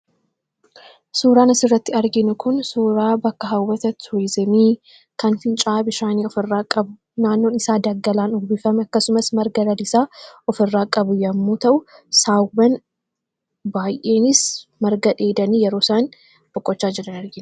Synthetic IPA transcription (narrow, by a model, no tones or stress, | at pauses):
suːɾaːnɐsɪrːɐt̪ːɪɐɾɡɪnʊkʊnsuːɾaːbɐkːɐɦɐwːɐt̪ɐt̪ʰweːzɛmiː | kɐnfɪnt͡ʃʼaːbɪʃaːniːɔfɪrːaːkʼɐbʊ | naːnːoːnɪsaːd̪ɐɡːɐlaːnɔɡbɪfɐmɛɐkːɐsʊmɐsmɐɾɡɐlɐlɪsaːʔɔfɪrːaːkʼːɐbʊjɐmːuːt̪ɐʔʊsaːwɐn | baːjʔe̞ːnɪsmɐɾɡɐᶑeːd̪ɐniːjɛɾo̞ːsaːn | b̥ɔkʼːɔt͡ʃːaːd͡ʒɪɾɐnɐɾɡɪn